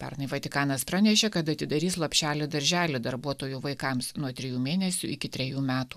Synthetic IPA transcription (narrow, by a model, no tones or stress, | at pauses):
pʲɛ̰ɾnɐɪʋɐt̪ʲɪkɑːnɐspɾɑnʲɛʃʲekɐt̪ɐt̪ʲɪd̪ɐɾʲiːslˠɐpʲʃʲæːlʲɪd̪ɐɾʲʒʲæːlʲɪd̪ɐɾbuɔt̪oːjuʋɐɪkɐmsnuɔt̪ʲɾʲɪjuːmʲeːnʲɛsʲuɪkʲɪt̪ʲɾʲɛjuːmʲæːt̪uː